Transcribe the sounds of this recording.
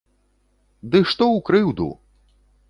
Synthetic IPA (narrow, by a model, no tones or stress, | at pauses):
d̪ɨʂt̪ɔwkɾɨwd̪ṵ